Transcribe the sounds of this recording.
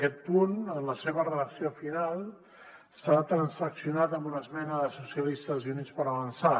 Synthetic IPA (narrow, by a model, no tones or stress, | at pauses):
kɛt̪̚punənləseβ̞ərəðəksiofinalˠ | sat̪ɾənsəksiunat̪əmbunəzmɛnəðəsusjəlist̪əzjunit͡spəɾəβənsa